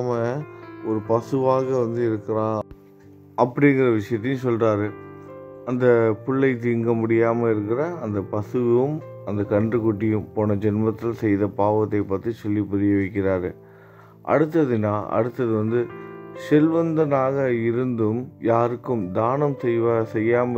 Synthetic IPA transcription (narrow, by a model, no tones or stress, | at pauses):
mɐɔɾɯpɐsɯʋaːɣɐʋɐnd̪ɯɪɾɯkːɐɾãː | ɐpːɐɽɪŋɡɪrɐʋɪʂɐjɐt̪̬ːɐjʊ̃sɔlraːɾɯ | ɐnd̪ɐpʊɭːɐɪt̪̬iːŋɡɐmʊɽɪjaːmɐɪɾɯk̬ːɪrɐːnd̪ɐpɐsɯʋɯm | ɐnd̪ɐkɐɳdrɯkʊʈːɪjɯ̃mpoːnɐd͡ʒɛnmɐt̪ːɪlsɛjðɐpaːʋɐt̪ːɐɪpːɐt̪ːisɔlːipʊðɪjɐʋɐɪk̬ːɪraːɾɯ | ʔɐ̰ɽɯt̪̬ːɐðɯnaːʔɐ̰ɽɯt̪ːɐðɯʋɐnd̪ɯsɛlʋɐnd̪ɐnaːɣɐɪɾɯnd̪ɯmjaːɾɯkːɯmd̪aːnɐmsɛjʋɐsɛjːaːmɐ